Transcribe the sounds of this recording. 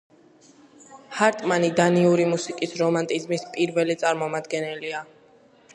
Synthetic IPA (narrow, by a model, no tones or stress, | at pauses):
haɾt̪ʼmanid̪aniuɾimusikʼisɾɔmant̪ʼizmispʼiɾvɛlit̪sʼaɾmɔmad̪ɡɛnɛlia